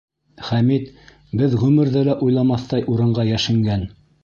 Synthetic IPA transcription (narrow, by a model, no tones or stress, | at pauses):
χæmit̪ | bɘðʁʉmɘ̆ɾðælæʔujlˠɑmɑθt̪ɑjʔuɾɤ̆ɴɢɑjæʃɘ̆ŋɡæn